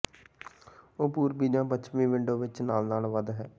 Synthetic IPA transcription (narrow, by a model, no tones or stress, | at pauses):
oːpuːɾbiːd͡ʒãːbət͡ʃmĩːʋɪɳɖoːʋɪt͡ʃnaːlnaːlʋəd̪ɦɛː